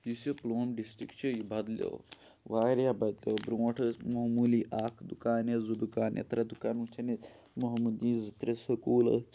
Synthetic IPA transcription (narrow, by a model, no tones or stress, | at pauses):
jisoploːmɖisʈɾikt͡ʃʰijibɐd̪lʲo̰w | ʋaːɾjabɐd̪lʲowbɾuːɐʈʰɐmɐɦmuliːʔaːkʰd̪ukaːnezud̪ukaːnʔḛt̪ɐɾɐd̪ukaːnut͡ʃʰɐne | mɐɦmud̪ĩːzit̪ɾɐsɐkuːlɐ̰